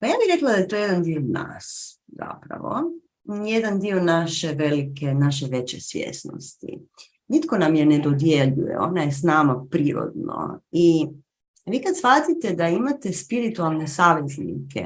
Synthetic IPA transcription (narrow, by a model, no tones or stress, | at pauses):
pajaːbixɾe̞klˠad̪ajet̪oːje̞d̪and̪iona̰ːs | za̰pɾa̰ʋo̰ | je̞d̪and̪io̞naʃeʋe̞likenaʃ̬eʋe̞t͡ɕḛsʋjḛsno̰st̪ḭ | nit̪ko̞namjened̪o̞d̪je̞ʎṵjḛo̞̰najesnamapɾiːɾo̰d̪no̰i | ʋiːkad̪sfat̪it̪e̞d̪aimat̪e̞spiɾit̪ualˠne̞saːʋe̞znḭkʰḛ